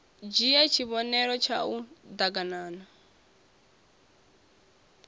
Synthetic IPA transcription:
d͡ʒijɛt͡ʃʰiβɔnɛɾɔt͡ʃʰa̰ud̪aɡanaːna

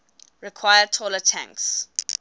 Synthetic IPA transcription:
ɹikʰwajətʰɔlətʰã̰ŋks

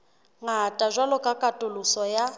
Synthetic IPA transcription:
ŋatʼaʒʷalɔkʼakʼatʼʊlʊsɔja

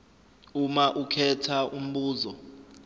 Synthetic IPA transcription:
umaʔukʰɛtʰaʔum̩ɓuːzɔ

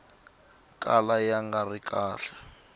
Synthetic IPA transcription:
kʼalajaŋɡarikʼaːɬḁ

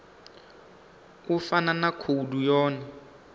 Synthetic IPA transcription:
ufananakʰodujɔːnɛ

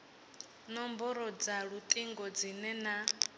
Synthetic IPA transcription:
nɔmbɔɾɔd͡zaɺut̪ʼiŋɡɔd͡zinɛna

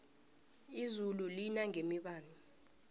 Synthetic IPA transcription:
izululinaŋemiɓaːnu

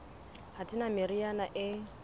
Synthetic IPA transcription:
hatʼɪnamɪɾianaʔɪ

